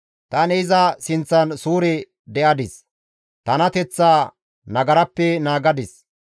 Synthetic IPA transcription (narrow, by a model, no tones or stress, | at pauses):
t̪ɐnɛɪzɐsɪnt͡sːɐnsuːɾɛ | d̪ɛʔɐd̪ɪs | t̪ɐnɐt̪ɛt͡sːaː | nɐɡɐɾɐpːɛnaːɡɐd̪ɪs